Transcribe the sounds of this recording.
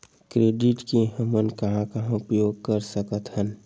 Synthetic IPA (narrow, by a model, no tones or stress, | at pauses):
kɾeɖɪʈkeɦəmənkɐɦãkaɦʊpjoːɡ̚kəɾsəkət̪ɦən